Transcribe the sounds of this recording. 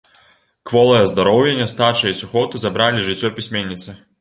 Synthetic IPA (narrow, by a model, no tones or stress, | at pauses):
kvɔlˠɐjɐzd̪ɐɾɔwjenʲːɐst̪at͡ʂɐisuxɔt̪ɨzɐbɾalʲiʐɨt͡sʲːɔpʲisʲmʲenʲːit̪sɨ